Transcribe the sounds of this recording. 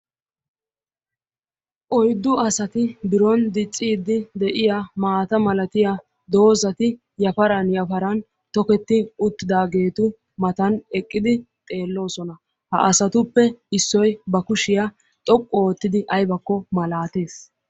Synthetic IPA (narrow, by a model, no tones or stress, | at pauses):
ʔɔjd̪ːʊɐsɐt̪ɪbɪɾɔnd̪ɪt͡sʼːiːd̪ːɪd̪ɛʔɪjamaːt̪ɐmɐlɐt̪ɪja | d̪o̞ːzɐt̪ɪ | jɐfɐɾɐnjɐfɐɾɐn | t̪ɔkɛt̪ːɪʊt̪ːɪd̪aːɡe̞ːt̪ʊ | mɐt̪ɐnɛkʼːɪd̪ɪt̪ʼe̞ːlːo̞ːsɔnɐ | hɐ̰ʔɐsɐt̪ʊpːɛɪsːɔjbɐkʊʃɪjɐ | t̪ʼɔkʼːɔoːt̪ːɪd̪ɪʔɐjbɐkːɔmɐlaːt̪eːs